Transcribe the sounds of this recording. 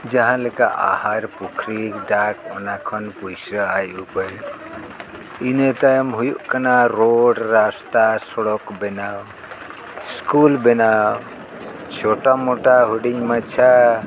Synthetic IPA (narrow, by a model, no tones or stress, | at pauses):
d͡ʒaɦãlɛkaʔa̰haɾpukʰɾikɖakɔnakʰɔnpujsɾɔajʔupɔj | inet̪ajmɦujuʔkanaɾoɽɾast̪asɔɽɔkbɛnaw | skulbɛnaw | t͡ʃʰoʈamoʈaɦuɽiɲmat͡ʃʰa